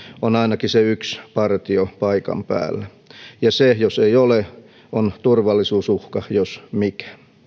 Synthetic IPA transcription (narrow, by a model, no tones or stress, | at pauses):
onɑinɑkiseykspɑrt̪iopɑikɑ̰mpæ̰ːlːæ | jɑsejoseiole | ont̪urʋɑlːˑisuːsuhkɑjosmikæ̥